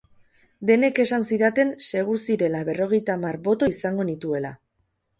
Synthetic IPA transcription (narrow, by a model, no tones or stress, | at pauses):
d̪e̞ne̞ke̞sansiðat̪e̞nse̞ɣ̞usiɾe̞laβe̞ro̞ɣ̞e̞jt̪amarbo̞t̪o̞isaŋɡo̞nit̪ue̞la̰